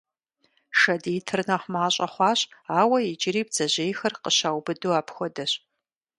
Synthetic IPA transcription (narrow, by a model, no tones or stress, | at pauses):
ʃɐdiːtʰɨrnɐχmaːɕʼɐχʷɑːɕʼaːwɐid͡ʒɪɾiːb̚z̥ɐʑejxɐrqəɕaːwbɨduaːpʰxʷɔdɐɕ